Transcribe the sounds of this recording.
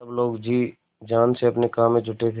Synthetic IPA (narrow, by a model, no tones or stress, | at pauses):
əbloːɡd͡ʒiː | d͡ʒaːnseɐpnekaːmːẽd͡ʒʱʊʈet̪ʰe